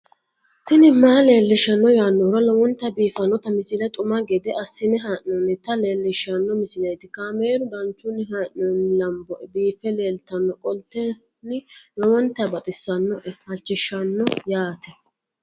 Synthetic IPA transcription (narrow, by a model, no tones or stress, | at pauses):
t̪ɪnɪmaːle̞ːlːɪʃɐnːɔjaːnːɔɾɐlɔwɔnt̪ːɐbiːfɐnːɔt̪ɐmɪsɪlɛt̪ʼʊmaɡɛd̪ɛʔɐsːɪnɪɦɐʔɔnːɪt̪ɐleːlːɪʃːɐnːɔmɪsɪlɐjt̪ɪkaːmeːɾʊd̪ɐnt͡ʃːʊnɪɦaʔɔnɪlɐmbɔʔɛbiːfɛle̞ːlt̪ɐnːɔkʼɔlt̪ːɛ | nɪlɔwɔnt̪ːɐbɐt̪ʼɪsːɐnːɔʔɛhɐt͡ʃːɪʃːɐnːɔjaːt̪ɛ